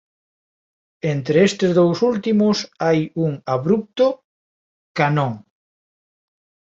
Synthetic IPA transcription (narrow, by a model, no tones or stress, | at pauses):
ent̪ɾeest̪ezðowsult̪imosajuŋaβɾup̚t̪o | kanõŋ